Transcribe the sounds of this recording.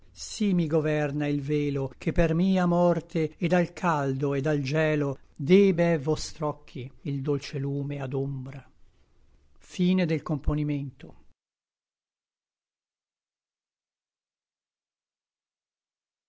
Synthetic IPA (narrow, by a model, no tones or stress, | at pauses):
simiɡovɛrnailveːlokʰepːermiːamɔrt̪eed̪alkʰald̪oed̪ald͡ʒɛːlod̪eːbɛvːɔst̪ɾɔkʰːiild̪olt͡ʃeluːmead̪ombɾa | fiːned̪elkomponiment̪o